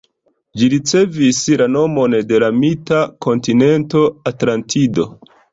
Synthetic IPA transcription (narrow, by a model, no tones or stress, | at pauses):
d͡ʒiɾit͡se̞vislano̞mo̞nde̞lamitako̞ntine̞nto̞atlantʰido̞